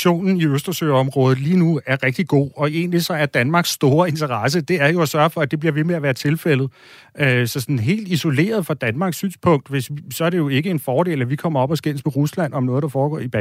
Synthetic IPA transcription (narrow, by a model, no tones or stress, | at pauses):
o̝̰ːnn̩iøsd̥ʁɐsø̰ːɒ̽mʁɔ̽ːð̞̩ˠliːnuæɐʁɛɡ̥d̥iɡ̥o̝̰ːɒ̽e̝ːnlisɒ̽æɐd̥ænmɑ̈ːɡ̥sːd̥o̝ːɐe̝nt͡sʰɐʁɑ̈s̬əd̥e̝æɐjo̝æsɶɐfɒ̽æd̥e̝b̥liɐʋe̝meæʋæːɐt͡sʰe̝lfel̰ð̞̩ˠ | øsɒ̽sɒnn̩ɦe̝̰ːld̥iso̝le̝̰ːɐð̞ˠfɑ̈d̥ænmɑ̈ːɡ̥sy̰ːnspʰɔ̽ŋ̰d̥ʋe̝ssɒ̽æɐɾe̝jo̝e̝ɡ̥əe̝nfɒːd̥e̝̰ːlæʋikʰɒ̽m̰ɐɒ̽b̥ɒ̽sɡ̥en̰smeʁuslæn̰ɒ̽mnɔ̽ːð̩ˠd̥ɑ̈fɒːɡ̥ɒ̰ːib̥ɛ